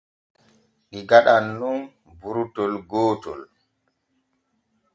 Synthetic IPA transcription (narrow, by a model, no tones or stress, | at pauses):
ɗiɡaɗanːun | buɾutɔlɡoːtɔ̰l